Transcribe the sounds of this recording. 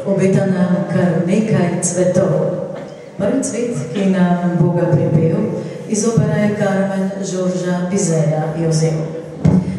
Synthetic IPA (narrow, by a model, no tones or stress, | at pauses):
ɔbet̪anakɐɾneːkajt̪sʋɛt̪ɔw | məɾnit̪sʋeːt̪kinambɔɡat̪ibew | izoːbɛɾajɛkaɾmɛnʒoːɾʒabizɛːlajɛwzḛː